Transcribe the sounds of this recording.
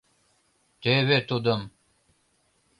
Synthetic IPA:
t̪ewet̪od̪əm

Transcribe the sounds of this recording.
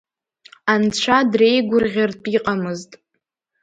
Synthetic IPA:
ant͡ɕʷʰadrejɡʷʊrʁʲartʰʼiqʼamɨztʼ

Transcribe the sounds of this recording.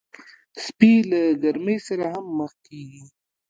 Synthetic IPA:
spilaɡɐɾməjsaɾaɦamːəxkiɡi

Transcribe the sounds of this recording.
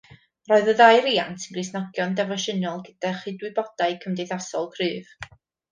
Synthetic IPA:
rɔːɨðəðajɾiːantʰənɡrɨsnɔɡjɔndɛvɔʃənɔlˠɡəd̥aχiːdwɪbɔd̥aɨkʰəmdejθasɔlˠkʰrɨːv

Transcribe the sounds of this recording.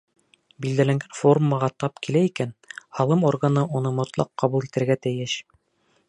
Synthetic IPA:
bild̪ælæŋɡænfo̞rmːəʁɑt̪ɑpkilæikænhɑlˠɤmorɡanɤʔunɤmŏt̪lˠɑ̰qːɑβulˠit̪ɘ̆ɾɡæt̪æjɘɕ

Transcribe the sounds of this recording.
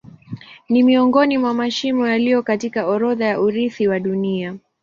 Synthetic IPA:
nimiɔŋɡɔnimwamaʃimɔjalijɔkatikaɔɾɔðajaʔuɾiθiwaɗunia

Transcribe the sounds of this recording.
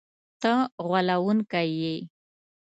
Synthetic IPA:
t̪əɣwalawunkaje

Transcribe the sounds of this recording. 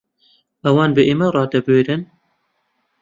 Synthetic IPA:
ɐwɑːnbɨʔeːmɛrˤɑːd̪ɛbɨweːɾɨn

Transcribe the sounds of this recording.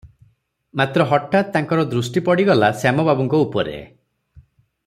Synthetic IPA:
mat̪ɾɔɦɔʈːat̪ːaŋkɔɾɔd̪ɾusʈipɔɽiɡɔlasamɔbabɔŋkɔupɔɾḛ

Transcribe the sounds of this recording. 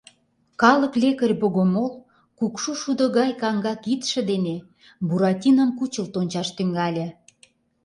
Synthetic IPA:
kɑlə̆klʲekərʲboɣomol | kukʃuʃud̪ŏɣɑjkɑŋɡɑkit̪ʃĕd̪ene | buɾɑt̪ʲinəmkut͡ɕə̆lt̪onʲt͡ɕɑʃt̪yŋɡɑlʲĕ

